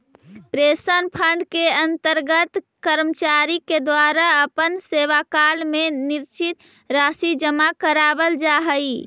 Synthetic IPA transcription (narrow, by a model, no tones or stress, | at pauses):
pɾesənpʰəɳɖkeənt̪əɾɡət̪ | kəɾmət͡ʃaɾiked̪waɾaəpənseʋakalmeniɾt͡ʃit̪ | ɾaːsid͡ʒəmakəɾabəld͡ʒaɦəi